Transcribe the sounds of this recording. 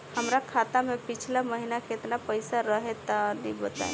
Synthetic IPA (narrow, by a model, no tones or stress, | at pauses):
həmɾakʰat̪amẽpit͡ʃʰlaməɦinaket̪napəjsaɾəɦet̪anĩbət̪a̰ḛ